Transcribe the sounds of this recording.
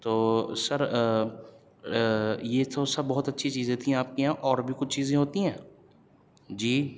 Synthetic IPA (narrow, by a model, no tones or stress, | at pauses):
t̪oːsɐɾ | jet̪ʰosɐbbɔːʊt̪ɐtːʃʰit͡ʃiːzẽt̪ʰĩɦaːp̚kiãːʔɔːɾbʱikʊt͡ʃʰt͡ʃiːzẽɦoːt̪iɦɛ̃ː | d͡ʒiː